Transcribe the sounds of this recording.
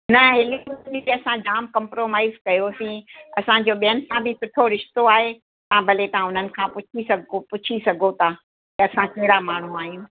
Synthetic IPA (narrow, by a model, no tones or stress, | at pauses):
nɐɦɪliniiɐsãd͡ʑaːmkɐ̃mpɾoːmaːɪzkɐjosĩːɐsãd͡ʑoːɓijənɪ̆sãbʱɪsʊʈʰoɾɪʃt̪oaːɦe | t̪ɐãbʱɐlet̪ɐãʊn̤ənɪ̆kʰãpʊt͡ɕʰisɐɡopʊt͡ɕʰisɐɡʱot̪ʰaː | k̪ɐɐsãkɐɦɪɽamaːɳ̤ũaːɦĩ